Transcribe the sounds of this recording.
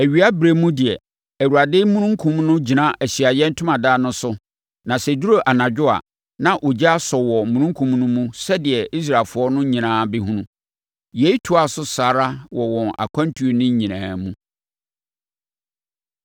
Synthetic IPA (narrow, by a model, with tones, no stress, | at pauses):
æ˨ɥi˨a˦bɾe˦mũ˦dɪ˨ɛ˨ | æ˨wu˨a˨dɪ˦mũ˦nũ˦ŋkʰũ˦mnʊ̃˦d͡ʑi˨nã˦ʔæ˨ɕi˨a˨jɛ˦n̩˦tʰʊ̃˦mã˨daː˦nʊ̃˦sʊ˦ | nã˨sɛ˨du˦ɾo˨ʔa˨nã˨d͡ʑᶣʊ˦a̰˨ | nã˨ʔo˨d͡ʑa˦a˦sɔ˨wɔ˨mũ˨nũ˦ŋ˦kʰũ˨mnʊ̃˦mũ˦sɛ˦dɪ˨ɛ˨i˦s̬ɾa˨fʊ˨˦ɔ˦nʊ̃˦ɲĩ˨nãː˨˦bɪ˦ɦũ˦nũ˦ | jɛ˨i˦tʰu˨˦a˨sʊ˦saː˨ɾa˦wɔ˨wɔ̃˨na̰˨kʷʰã˦ntʰu˨o˨nɪ̃˦ɲĩ˨nãː˨mũ˦